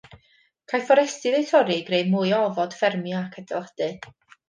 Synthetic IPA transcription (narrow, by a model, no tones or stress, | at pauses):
kʰajfɔɾɛstɨðejtʰɔɾɨɡrejmujɔvɔd̥fɛrmjakʰədɛ̰lˠad̥ɨ